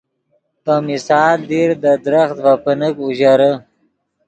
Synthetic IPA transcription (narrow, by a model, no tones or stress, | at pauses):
pəmisɑːld̪iɾd̪əd̪ɾaxt̪vapənəkuʑaɾə